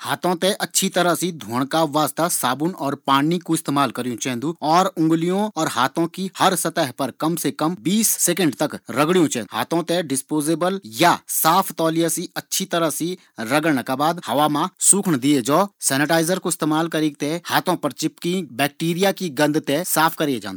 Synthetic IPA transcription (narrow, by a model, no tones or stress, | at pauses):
haːt̪õt̪eʔɐtːʃʰit̪ɐɾasid̪ʱoːɳ̃kaʋaːst̪asaːbʊnɔːɾpaːnikoɪst̪eːmaːlkɐɾijũt͡ʃɛ̃ːnd̪uɔːɾʊ̃ŋɡlijõɔːɾhaːt̪ʰõkihɐɾsɐt̪əɦpɐɾkɐmsekɐmbiːsːekə̃ɳɖt̪ɐkɾɐɡɽijũt͡ʃɛ̰̃ːnɦa̰ːt̪ʰõt̪ẽɖɪspoːzeːbəljasaːpʰt̪ɔːlijasiɐtːʃʰit̪ɐɾəɦsi | ɾɐɡəlnəkabaːd̪hɐʋamãsuːkʰɳd̪ied͡ʒɔːsɛːnɪʈaːɪzəɾkoɪst̪eːmaːlkɐɾiːk̚t̪ehaːt̪ʰõpɐɾt͡ʃɪpkĩbɛːk̚ʈiːɾijakiɡɐ̃nd̪ʱt̪ẽsaːpʰkɐɾied͡ʒã̰ːnd̪